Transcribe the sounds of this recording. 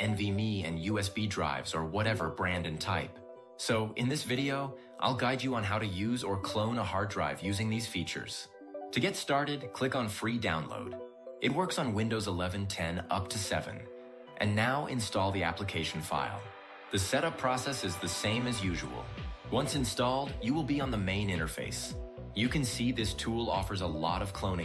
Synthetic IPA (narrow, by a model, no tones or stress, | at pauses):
ɛ̃nvimiɨ̰̃njʉɛsb̥idɹa̰ɪvzə˞wʌɾɛvə˞bɹæ̃ndɨ̃ntʰaɪp | soʊʔɨ̃nðɪsvɪɾioʊ | ʔa̰ɪlˠɡaɪd͡ʒɨə̃nɦaʊɾɨjʉzə˞kʰl̥õʊ̃nəhɑɹdɹa̰ɪvjʉzɪ̃ŋðiz̥fit͡ʃə̰˞z̥ | tʰɨɡɛtstɑɹɾɨd̚kʰl̥ɪkn̩fɹidãʊ̃nlo̰ʊd | ʔɨt̚wɜ˞ksn̩wɪ̃ndoʊzəlɛvɨ̃ntʰɛ̃nʌ̰p̚tʰɨsɛvɨ̰̃n | ʔɨ̰̃nːaʊʔɪ̰̃nstɔlˠðiæ̰pləkʰeɪʃn̩fa̰ɪlˠ | ðɨsɛɾʌpʰɹ̥ɔsɛsɨzðɨsẽɪ̃mɨzjʉʒə̰wl̩ˠwʌ̃nsɨ̃nstɔlˠdjɨwəlˠbiə̃nðəmẽɪ̃nɪ̃ɾ̃ə˞fḛɪs | jɨkɨ̃nsiðɪstʰulˠɔ̰fə˞zəlɔ̰ɾʌv̥kʰl̥õʊ̃ñɪ̃